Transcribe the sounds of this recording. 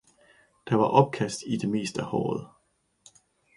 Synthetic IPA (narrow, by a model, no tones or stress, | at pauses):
d̥ɑ̈ʋɑ̈ʔɒ̽b̥̚kʰæsd̥id̥e̝me̝̰ːsd̥æhɒ̰ːð̩ˠ